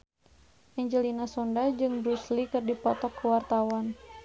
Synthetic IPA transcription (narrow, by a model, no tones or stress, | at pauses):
ʔɛɲd͡ʒəlinasɔndad͡ʒɨŋbɾuslikɨrdipɔt̪ɔkːəwart̪awan